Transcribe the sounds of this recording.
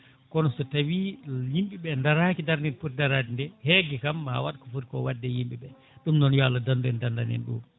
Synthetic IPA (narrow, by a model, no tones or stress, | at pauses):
kɔnɔsɔtawijimɓiɓɛndaɾaːkidaɾniɾput̚daɾadindɛhɛɡɛkamːaa̰waɗkɔfuɾkɔwadːɛjimɓiɓɛ | ɗumnɔnjɔalːadanduɛndandanɛ̰nɗṵː